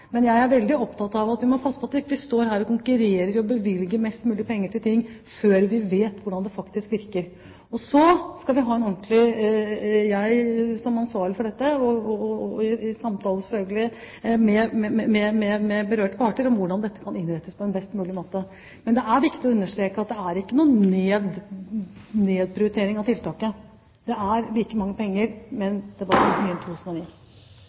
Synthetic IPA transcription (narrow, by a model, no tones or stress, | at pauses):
mɛnjæɪæɾʋɛld̪ɪɔpt̪ʰɑt̪ɑʋɑt̪ʋɪmɔpʰɑsːəpɑt̪ɪkːʋɪst̪oːɾɦæːɾɔkʊŋkʉɾeːɾəɾɔbəʋɪlɡəɾmɛst̪mʉːlɪəpʰɛŋːəʈɪlt̪ʰɪŋːføːɾʋɪʋeːt̪ʋʊɖɑnd̪ɛfɑkt̪ɪskʋɪɾkəɾ | ɔsɔskɑlʋɪɦɑːɛnɔnt̪lɪ | jæɪsɔmɑnsʋɑːɾɭɪfɔɖɛt̪ːəɔ | ɪɪsɑmt̪ʰɑːlˠəsɛ̥fœlɡəlɪ | mɛmɛmɛmɛmɛmɛbəɾøːʈəpʰɑʈəɾɔmʋʊɖɑnd̪ɛt̪ːə̥kʰɑnɪnɾɛt̪ːəspʰɔɛnbɛst̪mʉːlɪmoːt̪ə | mɛnd̪ɛæɾʋɪkt̪ɪɔʉnːəʂt̪ɾeːkəɑt̪̚d̪ɛæɾɪkːənuːeːd̪ | neːd̪̚pʰɾɪʊɾɪt̪ʰeːɾɪŋɑʋt̪ʰɪlt̪ʰɑːkə | d̪̥ɛæɾlɪlkəmɑŋːəpʰɛŋːəɾmɛnd̪̥ɛʋɑɾmyːəɛnt̪ʰuːt̪ʰʉsnɔniː